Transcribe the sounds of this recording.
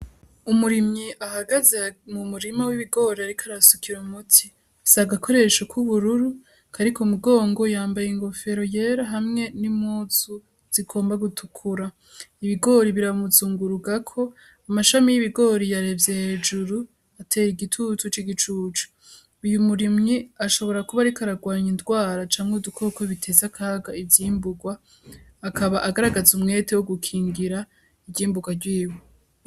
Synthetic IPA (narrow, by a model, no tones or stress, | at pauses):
umuɾimŋiʔahaɡazemumuɾimawiβiɡo̞ːɾiaɾikʰaɾasukʰiɾumutʰi | saɡakʰo̞ɾe̞ʃokuβuɾuɾu | kʰaɾikʰomuɡo̞ːŋɡo̞jaːmbajeŋɡo̞fe̞ɾo̞je̞ːɾaɦamŋe̞nimuːzu | z̥iɡo̞ːmbaɡutʰukʰuɾa | iβiɡo̞ːɾiβiɾamuzuːŋɡuɾuɡakʰo̞ | amaʃamijiβiɡo̞ɾijaɾevjehed͡ʒuɾu | atʰe̞ːɾiɡitʰutut͡ʃiɡit͡ʃuːt͡ʃu̥ | ijumuɾimŋiaʃo̞βo̞ɾakuβaɾikaɾaɡwaːɲindɡwaːɾat͡ʃaːŋudukʰo̞koβitʰe̞zakʰaːɡaivjiːmbuɡwaː | kaβaʔaɡaɾaɡazumŋe̞ːtʰewoɡukʰiːŋɡiɾa | ibɟiːmbuɡwaɾɟwiːwo